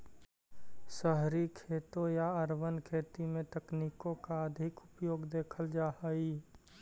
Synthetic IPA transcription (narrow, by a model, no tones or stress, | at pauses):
səɦɾikʰeːt̪õjaɐɾʋənkʰeːt̪imẽt̪ɐkniːkõkaəd̪ʱɪkʊpjoːɡd̪eːkʰəld͡ʒaːhəi